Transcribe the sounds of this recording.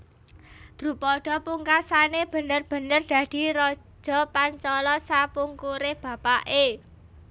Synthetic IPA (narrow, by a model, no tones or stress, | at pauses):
d̪̥ɾṳpɔɖ̥ɔ̤puŋkasaneb̥ə̤nərb̥ə̤nərd̪̥ä̤d̪̥i̤ɾɔ̥ | ʒ̥ɔ̤paɲt͡ʃɔlɔsapuŋkuɾɪhb̥ä̤paʔe